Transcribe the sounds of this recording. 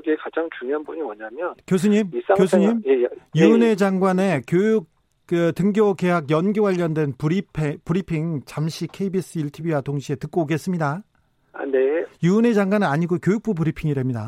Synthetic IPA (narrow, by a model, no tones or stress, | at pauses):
ɡiekad͡ʑaŋt͡ɕuŋjoɦanbuɲimʌɲamjʌnkjos̬ʰɯɲimis͈aŋkjsʰɯɲimjejune̞d͡ʑaŋɡwane̞kjojuk̚ | kɯtɯŋɡjoke̞ɦaɡjʌnɡowaʎːʌndwe̞npɾipʰepɯɾipʰiŋt͡ɕamɕʰikʰe̞ibis͈ɯiɭtʰibiwatoŋɕʰie̞tɯk͈oɡe̞s͈ɯmɲida | a̰nejune̞d͡ʑaŋɡwanɯnaɲiɡokjojuk̚p͈ubɯɾipʰiŋide̞mɲida